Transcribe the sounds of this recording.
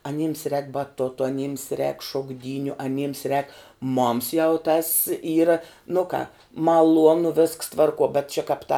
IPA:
ɐˈnʲiːms rʲɛːk bɐˈtoːtoː ɐˈnʲiːms rʲɛːk ʃoːɡˈdʲiːnʲʊ ɐˈnʲiːms rʲɛːk moːms jɛʊ tɐs ˈiːrɐ nʊ kɑː mɐˈlˠuɔnʊ ʋʲɪsks ˈtʋɐrˌkuɔ bʲɛt t͡ʃʲɛ kɑːp tɐ

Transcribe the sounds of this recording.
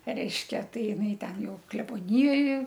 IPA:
ˈrʲɛɪʃʲkʲɛ ˈtɐɪ ɪˈnɐɪ ˈtʲɛn ˈjɛʊ klʲɛboːˈnʲɪjoːj

